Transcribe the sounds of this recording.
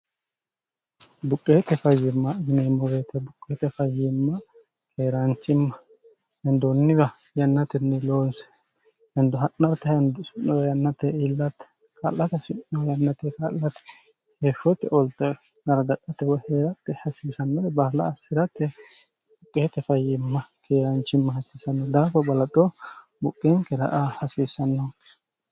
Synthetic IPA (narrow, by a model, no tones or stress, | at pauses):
bʊkʼːeːt̪ɛfɐjːɪmːɐɪɡneːmːɔbeːt̪ɛbʊkʼːeːt̪ɛfɐjːɪmːɐ | kʰeːɾaːnt͡ʃːɪmːɐ | hɛnd̪ɔnːɪɡɐ | jɐnːɐt̪ɪnːɪloːnsɛ̥ | hɛnd̪ʊɦɐnːɐɾt̪ɐhɛnd̪ʊsɪnːɔjɐnːɐt̪ɛilːɐt̪ | kʰɐ̰lːɐt̪sɪnːɔjɐnːɐt̪ɛkɐlːɐt̪ɛ̥ | heʃɔt̪ːɛʔɔlt̪ːɛ | ɡɐɾɐd̪ɐkʼːɐt̪ːɛwɔheɾɐt̪ːɛhɐsiːsɐnːɐɛbɐːlɐ̰ːsːɪɾɐt̪ːɛ | ʊkʼːet̪ːɛfɐjɪmːɐkʰeːɾɐnt͡ʃːɪmːɐhɐsisɐnːɔd̪aːfɔbɐlɐt̪ʼɔ | bʊkʼːɛŋkɛɾɐ̰ʔahɐsisɐnːɔk